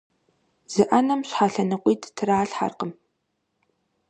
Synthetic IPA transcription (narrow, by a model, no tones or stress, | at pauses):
z̥ɨʔɐnɐmɕħaːɬɐnɨqʷʼiːdtʰɨraːɬħa̰rqəm